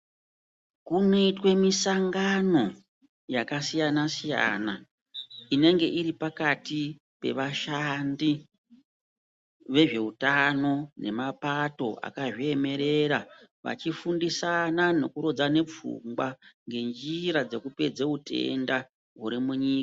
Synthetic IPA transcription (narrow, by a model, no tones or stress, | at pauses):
kuneitwe̞misaŋɡano̞ | jakasijanasija̰ːna | ine̞ŋɡe̞ʔiɾipakati | pe̞̰ʋaʃandi | ʋe̞ʐe̞utano̞ne̞̰mapato̞ʔa̰kaʐie̞me̞ɾe̞ɾaʋa̰t͡ʃifundisanano̞kuɾod͡zane̞p͡fṵmɡwaŋɡe̞nd͡ʒiɾad͡ze̞kupe̞d͡zeutʰe̞̰nda | ɦuɾimuɲiːka